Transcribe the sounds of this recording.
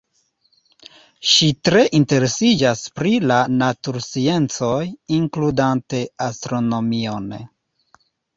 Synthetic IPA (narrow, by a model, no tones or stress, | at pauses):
ʃitɾe̞ʔinte̞ɾe̞sid͡ʒaspɾilanatuɾsie̞nt͡so̞jiŋkludante̞astɾo̞no̞mio̞n